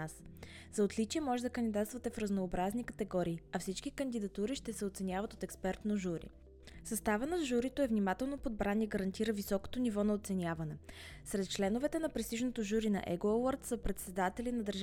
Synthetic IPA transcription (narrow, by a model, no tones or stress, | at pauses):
as | zɐot̪lit͡ʃiɛmɔʒɛd̪ɐkənd̪ʲid̪at̪st̪vət̪ɛfɾəznoːbɾaznikət̪ɛɡɔɾiːɐfsit͡ʃkikənd̪id̪ɐt̪uɾiʃt̪ɛsɛot̪sɛnʲjavɐt̪ot̪ɛkspɛɾt̪noʒuɾḭ | sɐst̪avənozʒuɾit̪oɛvnimat̪ɛlˠnopod̪̚bɾanʲiɡəɾɐnt̪iɾəvisɔko̥t̪onivɔnɐot̪sɛnʲavɐnɛ | sɾɛt̪̚t͡ʃlɛnovɛt̪ɛnɐpɾɛst̪iʒnot̪oʒuɾinɐ̰ʔɛ̰ɡoɛwˠəɾt̪səpɾɛt̪sɛd̪at̪ɛlinɐd̪əɾʒ